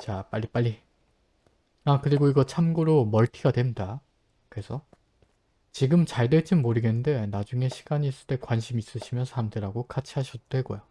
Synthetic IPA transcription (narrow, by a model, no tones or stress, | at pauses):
t͡ɕap͈aʎːip͈aɭːi | akɯɾiɡoiɡʌt͡ɕʰamɡoɾomʌɭtʰiɡadwe̞mɲida | kɯɾe̞sʰʌ | t͡ɕiɡɯmt͡ɕaɭdwe̞t͡ɕ͈inmoɾɯɡennde̞nad͡ʑuŋe̞ɕʰi̥ɡ̥aɲiːs͈ɯɭt͈e̞kwanɕʰimiːs͈ɯɕʰimjʌnsʰamdɯɾaɡokʰat͡ɕʰiɦaɕʰʌd̥we̞ɡojo